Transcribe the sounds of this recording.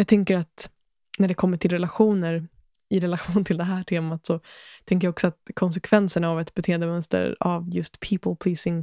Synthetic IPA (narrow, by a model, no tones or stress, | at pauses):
jɑːt̪ʰɛŋkəɾat̪ | næɖɛkʰɔmːəʈʰɪlɾɛlaɧuːnəɾ | ɪɾɛlaɧuːnt̪ʰɪld̪ɛɦæːʈʰeːmat̪sɔt̪ʰɛŋkəɾjaɔksɔat̪̚kʰɔns̬ɛkʰvɛnsəɳaːvɛt̪bɛt̪ʰeːənd̪əmœnst̪ə̰ɾa̰vjɵst̪pʰiːpəlpʰliːsɪŋ